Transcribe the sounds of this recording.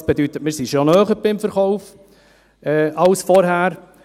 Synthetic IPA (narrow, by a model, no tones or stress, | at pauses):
sb̥edyt̪ət̚mɪɾsiʃonœːχəɾb̥ɪmfəɾχɔʊf | ɛːʔɑlsfɔɾɦæːɾ